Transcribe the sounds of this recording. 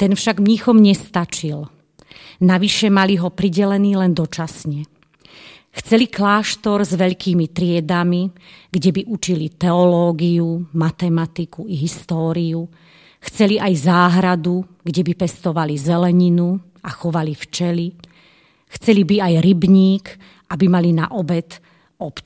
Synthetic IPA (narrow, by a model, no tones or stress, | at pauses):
t̪ɛnfʃaɡmɲixɔmɲɛst̪at͡ʃil | naʋiʃɛmaliɦɔpɾiɟɛlɛniːlɛnd̪ɔt͡ʃasɲɛ | xt͡sɛliklaːʃt̪ɔɾzʋɛʎkiːmit̪ɾɪɛd̪amiɡɟɛbiʔut͡ʃilit̪ɛɔlɔːɡiumat̪ɛmat̪ikuiɦist̪ɔːɾiu | xt͡sɛliʔajzaːɦɾad̪u | ɡɟɛbipɛst̪ɔʋalizʋɛlɛɲinu | axɔʋalift͡ʃɛli | xt͡sɛlibiajɾibɲiːk | ʔabimalina̰ʔɔbɛt̪ | ɔp